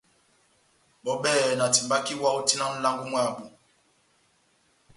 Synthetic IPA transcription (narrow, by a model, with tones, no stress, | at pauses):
ɓɔ˨ɓɛ˦˨na˨ti˨mba˦ki˦wa˦u˦ti˦na˦n̩˦la˦ŋɡu˦mwa˦˨ɓu˨